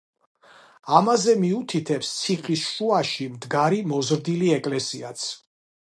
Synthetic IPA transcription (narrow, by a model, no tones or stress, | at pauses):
amazɛmiut̪ʰit̪ʰɛpst̪sʰiχʼisʃuaʃimd̪ɡaɾimɔzɾd̪iliɛkʼlɛsiat̪sʰ